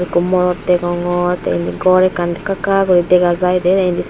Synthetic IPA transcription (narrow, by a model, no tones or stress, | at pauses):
ɾikumɔɾɔt̪ːɛɡɔŋɔɾt̪a̰ind̪iɡɔɾɛkand̪ɛkakaɡɔɾid̪ɛɡazajd̪ɛt̪aindis